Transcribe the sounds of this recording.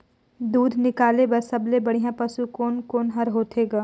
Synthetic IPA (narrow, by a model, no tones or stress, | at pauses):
d̪uːd̪ʱnɪkaːlebɐɾsɐblebɐɽ̤ijãpɐsukoːnkoːnɦɐɾɦoːt̪ʰeːɡaː